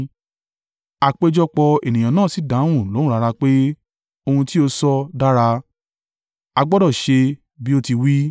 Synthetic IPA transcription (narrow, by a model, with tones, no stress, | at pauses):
a˨k͡pe˧d͡ʒɔ˦k͡pɔ˧e˨nĩ˨jã˨nãː˦˨si˨˦dã˨˦w̃ũ˦˨lo˨˦ũ˦ɾa˧ɾa˧k͡pe˦ | o˧hũ˧ti˦o˧sɔ˦da˦ɾa˧ | a˧ɡ͡bɔ˦dɔ˦˨ʃe˧ | bi˦o˦˧ti˧wi˦